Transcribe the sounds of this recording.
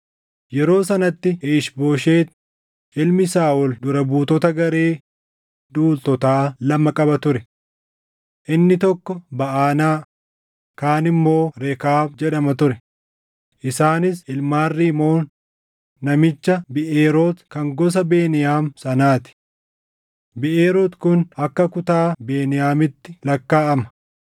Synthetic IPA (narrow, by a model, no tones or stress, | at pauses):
jɛɾo̞ːsɐnɐt̪ːɪeːʃboːʃeːt̪ | ʔɪlmɪsaːʔʊld̪ʊɾɐbuːt̪ɔt̪ɐɡɐɾeː | d̪uːlt̪ɔt̪aːlɐmːɐkʼɐbɐt̪ʊɾɛ | ʔɪnːɪt̪ɔkːɔbɐʔaːnaː | kaːnɪmːo̞ːɾekaːbd͡ʒɛᶑɐmɐt̪ʊɾɛ | ʔɪsaːnɪsɪlmaːrːiːmo̞ːnː | ɐmɪt͡ʃːɐbɪʔeːɾo̞ːt̪kɐŋɡɔs̬ɐbe̞ːnɪjaːmsɐnaːt̪ɪ̥ | bɪʔeːɾoːt̪kʊnɐkːɐkʊt̪aːbeːnɪjaːmɪt̪ːɪlɐkːaːʔɐmɐ̥